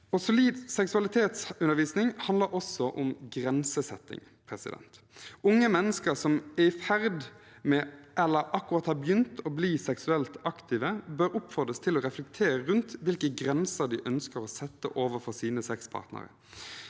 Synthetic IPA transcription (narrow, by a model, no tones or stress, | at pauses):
ɔsʊliːd̪sɛksʉɑlɪt̪ʰeːt̪sʉnːəɾʋiːsnɪŋhɑnd̪ləɾɔsːɔʔʊmɡɾɛnsəsɛt̪ːɪ̰ŋ | pʰɾɛsɪ̰d̪ɛ̰nt̪ | ʊŋːəmɛnːəskəɾsɔmɛɪfæʁd̪ | mɛʔɛlːəɾʔɑkːʊʁɑt̪hɑːbjʏnt̪ʰɔbliːsɛksʉɛlt̪ɑkt̪ʰiːʋəbøɾʊpfɔd̪ʁəst̪ʰɪlɔʁɛflɛkt̪ʰeːɾəɾʉnt̪ʋɪlkəɡɾɛnsəɾd̪ɪʔœnskəʁɔːsɛt̪ːə̰ʔoːʋəɾfɔsiːnəsɛkspʰɑ̰ːʁt̪nə̰ɾə̰